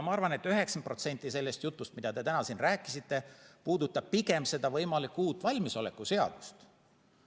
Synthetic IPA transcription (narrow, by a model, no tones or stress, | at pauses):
mɑɑrvɑne̞t̪ːyɦe̞ksɑnpro̞t̪se̞nt̪ˑːise̞lːe̞st̪jut̪ːˑust̪̚mid̪̥ɑd̪e̞t̪ænɑsinræːkːˑisit̪ːe̞puːd̪ut̪ːˑɑb̥̚piɡe̞mse̞d̪̥ɑvɤjmɑlikːuːt̪ːˑvɑlʲmiso̞le̞kːˑuse̞ɑ̰d̪̥u̥st̪